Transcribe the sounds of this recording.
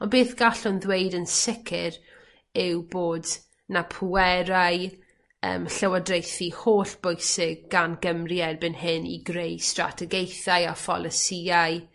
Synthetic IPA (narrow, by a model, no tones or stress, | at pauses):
ɔnbeːθɡ̥aɬʊnðwejdənsɪkʰɪɾ | ɪwboːd | napʰuɛɾaj | ə̰ːmɬəwadrejθihoːɬb̥ojsɪɡ̚ɡanɡəmriɛrbɪnhɪnḭɡɾejstra̰tʰɛɡejθajafɔ̰lˠəsiajɨ